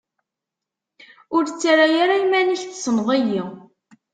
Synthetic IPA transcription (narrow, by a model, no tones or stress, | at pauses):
ʊɾt͡sːaɾajaɾaimæniçθsənʁæji